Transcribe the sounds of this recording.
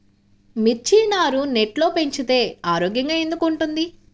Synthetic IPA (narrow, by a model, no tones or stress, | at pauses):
miɾt͡ʃiːnaːɾune̞ʈlo̞ːpe̞ɲt͡ʃit̪e̞ːaːɾoːɡjɐŋɡaːe̞nd̪ukuɳʈund̪i